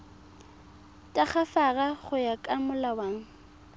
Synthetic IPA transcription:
tʼaχafaɣaχʊjakʼamʊlawaːŋ̩

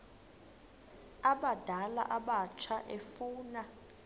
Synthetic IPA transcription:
aɓad̥ʱala̰ʔaɓat͡ʃʰaʔefuːna

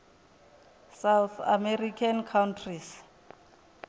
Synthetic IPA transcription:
sawθa̰mɛrikʰankʰawntʰris

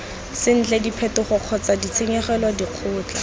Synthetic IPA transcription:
sɪn̩t͡ɬɛdipʰɛtʊχʊq͡χʰɔt͡sadit͡sʰeŋɛχɛlwadiq͡χʰʊːt͡ɬa

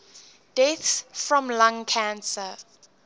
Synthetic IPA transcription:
d̥etsfɹɔ̃mlãŋkʰãnsə

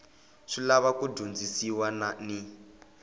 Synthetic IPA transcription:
ʂilaβakudʱund͡zisiwanani

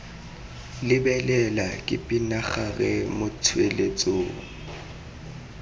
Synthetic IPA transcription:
lɪbɛlɛlakʼɪpʼinaχaɣɛmʊtʰwelet͡sʼoːŋ̩

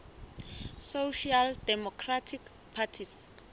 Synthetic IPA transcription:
soʃaldɛmɔkʰratʰik | pʰatʰis

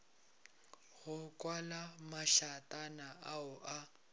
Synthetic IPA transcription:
ɣʊkʼwalamaʃatʼanaʔaʊʔa

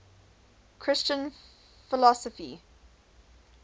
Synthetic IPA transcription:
kʰɹ̥ɪst͡ʃə̃n | fɪlɔsəfḭ

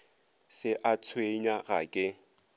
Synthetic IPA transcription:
sɪʔat͡sʰweɲaɣakʼɪ

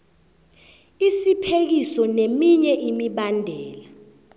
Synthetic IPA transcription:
isipʰek̬isɔnemiɲɛʔimiɓandʱɛːla

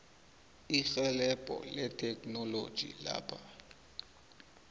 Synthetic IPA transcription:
ixɛlɛpʼɔ̰lɛtʰʼɛkʰʼnɔlo̰d̥ʒ̥ʱḭla̰ːpʰa

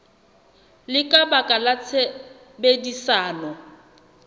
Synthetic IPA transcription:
lɪkʼabakʼalat͡sʰe | bedisaːnɔ

